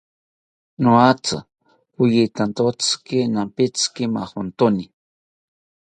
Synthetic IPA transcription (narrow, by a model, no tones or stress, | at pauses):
noat͡sɨ̰ | xujit̪ant̪ot͡skinampit͡skima̰hont̪oni